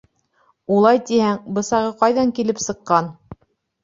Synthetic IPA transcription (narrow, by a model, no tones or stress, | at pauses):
ulˠɑjt̪ihæŋbɤ̆sɑʁɤqɑjðɑŋkilɘpsɤ̆qːɑn